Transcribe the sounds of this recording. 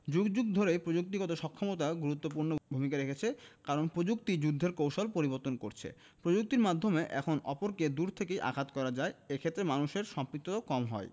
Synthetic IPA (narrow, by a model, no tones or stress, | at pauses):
d͡ʑuɡd͡ʑuɡ̚d̪ʱoɾepɾod͡ʑuk̚t̪iɡɔt̪oʃɔkʰːomot̪aɡuɾut̪ːop̬uɾnobʱumikaɾekʰet͡ɕʰekaɾonpɾod͡ʑuk̚t̪id͡ʑud̪ʱːeɾkowʃolpoɾiboɾt̪onkoɾt͡ɕʰḛ | pɾod͡ʑuk̚t̪iɾmad̪ʱːomeʔɛ̰kʰonʔɔpoɾked̪uɾt̪ʰekejʔa̰kʰat̪kɔɾad͡ʑaeekʰet̪ːɾemanuʃeɾʃɔmpɾik̚t̪ːokɔmɦɔ̰e